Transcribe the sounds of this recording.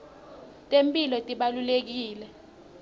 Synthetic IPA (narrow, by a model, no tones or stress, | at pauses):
tʼempʼilɔtʼiɓalulek̬iːlɛ